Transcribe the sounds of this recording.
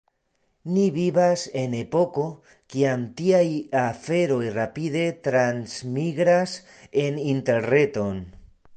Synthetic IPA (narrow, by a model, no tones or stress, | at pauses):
niβiβase̞ne̞po̞ko̞ | kiamtiajafe̞ɾo̞jrapide̞t̪ɾansmiɡɾas | e̞ninte̞ɾne̞to̞n